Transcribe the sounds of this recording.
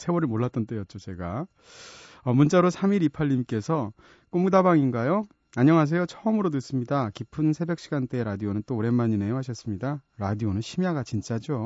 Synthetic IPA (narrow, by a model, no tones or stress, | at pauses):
sʰewʌɾiɭmoɭːat͈̚ʌnt͈e̞jʌt̚t͡ɕ͈ot͡ɕe̞ɡa | ʌmunt͡ɕ͈aɾosʰamiɾipʰaʎːimk͈e̞sʰʌ | k͈omudabaŋinɡajo | aɲʌŋɦas̬ʰe̞jot͡ɕʰʌɯmɯɾotɯs͈ɯmɲidakipʰɯnsʰe̞bjʌk̚ɕ͈iɡant͈e̞ɾadionɯnt͈oːɾe̞mːaɲineoɦaɕʰʌs͈ɯmɲidaɾadionɯnɕʰimjaɡat͡ɕint͡ɕ͈ad͡ʑo